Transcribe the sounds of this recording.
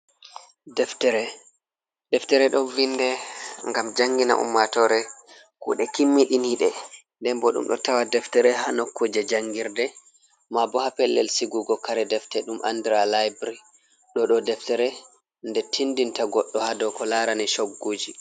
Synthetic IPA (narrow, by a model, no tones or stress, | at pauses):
dɛftɛɾɛ | dɛftɛɾɛɗɔvindɛŋɡamd͡ʒaŋɡina̰ʔṵmːatɔɾɛ | kṵɗɛkimːiɗiniɗɛ | ndɛmbɔɗṵmɗɔ̰tawadɛftɛɾɛɦanokːod͡ʒɛd͡ʒaŋɡiɾdɛ | mabɔhapɛlːɛlsiɡuɡɔkaɾɛdɛftɛɗumʔa̰ndiɾalajbɾi | ɗɔɗɔdɛftɛɾɛ | ndɛtʰindintaɡɔɗːɔhadɔkɔlaɾaniʃoɡːoːd͡ʒi